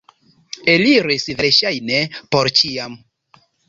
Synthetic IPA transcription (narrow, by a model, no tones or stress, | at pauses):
eliɾisveʃajnepoɾt͡ʃiam